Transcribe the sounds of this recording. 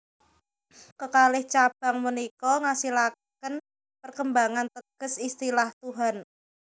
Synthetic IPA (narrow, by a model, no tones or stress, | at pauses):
kəkalɪht͡ʃab̥a̤ŋmənikɔŋasila | kən | pərkəmbaŋant̪əɡ̥ə̤sist̪ilaht̪uɦan